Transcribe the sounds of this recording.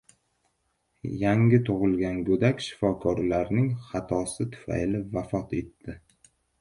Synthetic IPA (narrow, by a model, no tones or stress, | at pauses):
jaŋɡʲɪt̪ʰʊʁɨlˠɡʲanɡɵd̪akʲʃɪ̥fɒkʰɒɾlaɾnɪŋχɑt̪ʰɒsɪt̪ʰʊ̥fa̰jlɪvafɒt̪e̞t̪ːɪ